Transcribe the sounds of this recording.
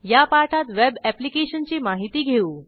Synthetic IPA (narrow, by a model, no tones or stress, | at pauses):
japaɾʈʰat̪ʋebɛplikeɕənt͡ɕiːmaɦit̪iːɡʱeuː